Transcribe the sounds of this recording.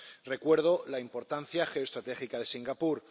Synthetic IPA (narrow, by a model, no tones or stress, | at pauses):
re̞kwe̞ɾð̞o̞laimpo̞ɾt̪anθjaxe̞ost̪ɾat̪e̞xikaðe̞siŋɡapuɾ